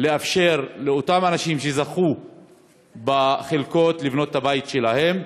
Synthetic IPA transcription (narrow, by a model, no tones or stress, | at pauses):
le̞afʃe̞ʁle̞o̞tamanaʃimʃezaχu | baχelko̞tlivno̞tːabaitʃe̞lahe̞m